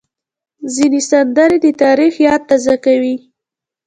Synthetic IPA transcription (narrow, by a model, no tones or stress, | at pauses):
zinesand̪aɾed̪ət̪ɑɾixjɑd̪̚t̪azakawi